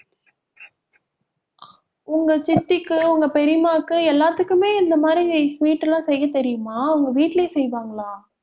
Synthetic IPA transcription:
ʊŋɡɐt͡ʃɪt̪ːɪkːɯʊŋɡɐpɛɾɪmaːkːɯɛlːaːt̪ːɯkːɯmeːɪnd̪ɐmaːd̪ɾisʋiːʈːɐlãːsɛjːɐt̪ɛɾɪjɯmaːɐŋɡɐʋiːʈːleːsɛjʋaːŋɡɐɭaː

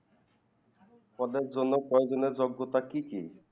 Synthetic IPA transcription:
pɔd̪eɾd͡ʑonːokɔed͡ʑoneɾd͡ʑoɡːot̪akikij

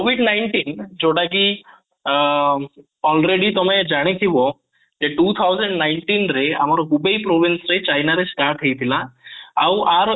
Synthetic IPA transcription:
kobʱiɖnajɳʈind͡ʒoʈaki | ɔlɾeɽit̪ɔmed͡ʒaɽ̃et̪ʰibɔ | d͡ʒeʈut̪ʰawzəɳɖnajɳʈinɾea̰maɾɔkʰubejpɾobʱinsɾet͡ʃajnaɾesʈaɾʈɦejt̪ʰilaː | waɾ

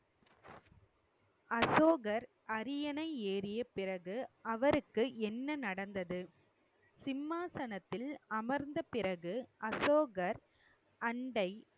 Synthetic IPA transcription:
ɐsoːɣɐɾ | ʔɐɾɪjɐnɐɪeːɾɪjɐpɪrɐɣɯɐʋɐɾɯkːɯʔɛnːɐnɐɽɐnd̪ɐðɯ | sɪmːaːsɐnɐt̪ːɪlɐmɐɾnd̪ɐpɪɾɐɣɯʔɐsoːɣɐɾ | ʔɐɳɖɐɪ

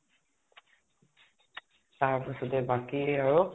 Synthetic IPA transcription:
taɹpasɔtɛbakieaɹu

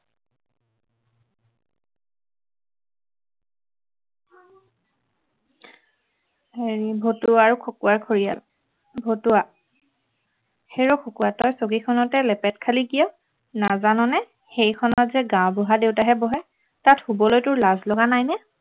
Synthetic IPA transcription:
heɹibʱotuaaɹukʰokuwaɹkʰoɹija̰l | bʱotuwa | xejɹɔkʰokuwatɔjsoɡikʰɔnɔtɛlɛpɛtkʰaliɡijɔ | nazanɔnɛ | xejkʰɔnɔtzɛɡãw̃bɔɦadeʊtaɦɛbɔɦɛ | tathubɔlojtʊɹlazlɔɡanajnɛ

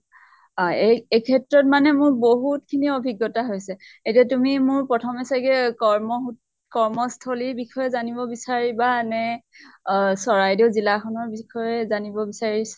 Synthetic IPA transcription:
aeejkʰɛtɹɔt̚manɛmʊɹboɦutkʰiniobʱiɡːɔtaɦojsɛetiatumimʊɹpɹɔtʰɔmɛsakɛkɔɹmɔɦut | kɔɹmɔstʰoliɹbixʰɔjɛzanibɔbisaɹibanɛ | sɔɹajdizilakʰɔnɔɹbikʰɔjɛzanibɔbisaɹis

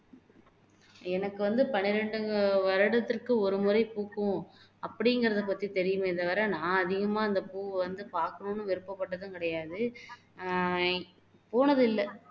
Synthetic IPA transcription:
ɛnɐkːɯʋɐnd̪ɯpɐnɪɾɛɳɖɯŋɡɐʋɐɾɐɽɐt̪ːɪrkɯɔɾɯmʊɾɐɪpuːkːʊ̃ | ɐpːɐɽɪŋɡɐɾɐðɐpɐt̪ːit̪ɛɾɪjɯmeɪðɐʋɐɾanãːɐðɪɣɐmaːɪnd̪ɐpuːʋɐnd̪ɯpaːɾkɐnõːnːɯʋɪɾɯpːɐpːɐʈːɐt̪ːãːkɪɽɐjaːðɯ | poːnɐðɯɪlːɐ

